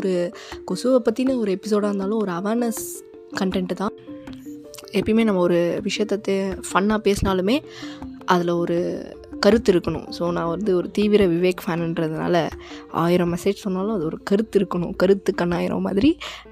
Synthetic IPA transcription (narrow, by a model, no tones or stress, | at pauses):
ɔɾɯkɔsuʋɐpːɐt̪ːinɯɔɾɯɛpːɪs̬oːɽaːɾɯnd̪aːlʊ̃ɔɾɯɐʋɐɾnɐs | kɐɳʈɛɳʈt̪ãː | ɛpːɐɽɪmeːnɐmːɐɔɾɯʋɪʂɐjɐt̪ːɐt̪ːefɐnːaːpeːsɯnaːlɯmeːʔɐðɪlɐɔɾɯkɐɾɯt̪ːɪɾɯkːɐɳʊ̰̃soːnãːʋɐɾɯnd̪ɯɔɾɯt̪iːʋɪɾɐʋɪʋeːkfaːnɪnɾɐðɯna̰ːlɐa̰ːjɪɾɐ̃mɛseːd͡ʒsɔnːaːlʊ̃ɐðɯɔɾɯkɐɾɯt̪ːɪɾɯkːɐɳʊ̃kɐɾɯt̪ːɯkːɐɳːaːjɪɾɐ̰ma̰ːðɪɾi